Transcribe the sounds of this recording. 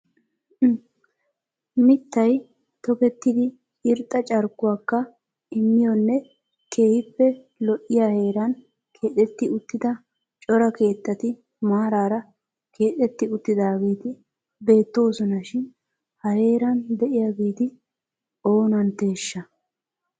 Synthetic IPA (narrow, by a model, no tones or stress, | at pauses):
mɪt̪ːɐj | t̪ɔkɛt̪ːɪd̪ɪ | ɪɾt̪ʼːɐt͡ʃʼɐɾkːʊwaːkːɐ | ɪmːɪjɔnːɛ | ke̞ːhɪpːɛ | lɔʔɪjaːhe̞ːɾɐn | kʰe̞ːt̪ʼːɛt̪ːɪʊt̪ːɪd̪ɐ | t͡ʃʼɔɾɐke̞ːt̪ːɐt̪ɪ | maːɾaːɾɐ | kʰe̞ːt̪ʼɛt̪ːɪʊt̪ːɪd̪aːɡiːt̪ɪ | be̞ːt̪ːo̞ːsɔnɐʃɪn | hɐhe̞ːɾɐnd̪ɛʔɪjaːɡiːt̪ɪ | o̞ːnɐnt̪e̞ːʃːɐ